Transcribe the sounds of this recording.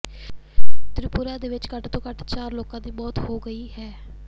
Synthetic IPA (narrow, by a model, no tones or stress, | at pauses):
t̪ɾɪpʊɾaːd̪eːʋɪt͡ʃkəʈt̪õːkəʈt͡ʃaːɾloːkãːd̪iːbɔːt̪hoːɡəiːɦɛː